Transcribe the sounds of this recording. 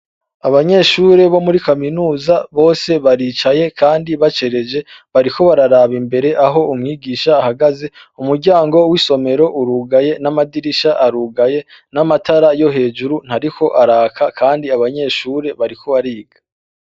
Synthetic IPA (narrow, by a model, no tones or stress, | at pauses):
aβaɲe̞ʃuːɾe̞βo̞muɾikaminuːzaβo̞ːse̞βaɾit͡ʃaje̞kʰaːndiβat͡ʃe̞ɾe̞d͡ʒe̞βaɾikʰo̞βaɾaɾaːβimbe̞ɾe̞ʔaɦo̞umŋiːɡiːʃaːhaɡaze̞ | umuɾɟaːŋɡo̞wiso̞me̞ɾo̞ʔuɾuːɡaje̞namadiɾiʃaʔaɾuːɡaje̞ | namatʰaɾajo̞ɦe̞ːd͡ʒuɾun̥haɾikʰo̞ʔaɾaːkʰakʰaːndiaβaɲe̞ʃuːɾe̞βaɾikʰo̞βaɾiːɡḁ